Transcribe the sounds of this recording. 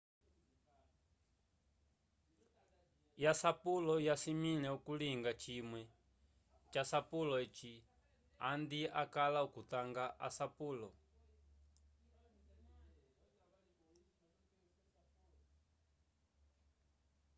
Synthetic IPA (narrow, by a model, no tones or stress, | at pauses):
jasapulɔjasimilɛukuliŋɡat͡ʃimwɛ | t͡ʃasapulɔet͡ʃi | and̪iakalaukut̪aŋɡaʔa̰sapuːlɔ